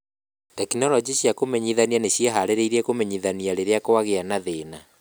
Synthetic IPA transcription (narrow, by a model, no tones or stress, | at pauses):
tɛkinɔlɔd͡ʒiɕiakomɛɲiðanianeɕiaɦaɾeɾeiɾɛkomɛɲiðaniaɾeɾeakowaɣeanaðena